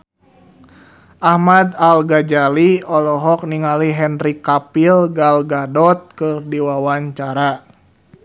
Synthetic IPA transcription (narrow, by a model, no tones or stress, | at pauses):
ʔahmadalɡad͡ʒaliɔlɔɦɔk̚niŋaliɦɛnrikapilɡalɡadɔt̪̚kɨrdiwawaɲt͡ʃaɾa